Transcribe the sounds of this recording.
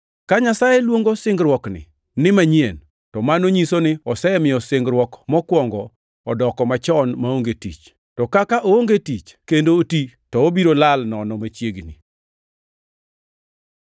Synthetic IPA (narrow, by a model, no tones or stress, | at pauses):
kaɲasajelwoŋɡosɪŋɡɾwɔknɪ̰ | nɪmaɲiḛn | tɔmanoɲisonɪɔsɛɛmɪjɔsɪŋɡɾwɔkmɔkwɔŋɡɔː | dɔkɔmat͡ʃɔnmaoŋɡetit͡ʃ | tɔkakaʔooŋɡetit͡ʃkendoːti | tɔobiɾolalnɔnɔmat͡ʃjeɡnḭ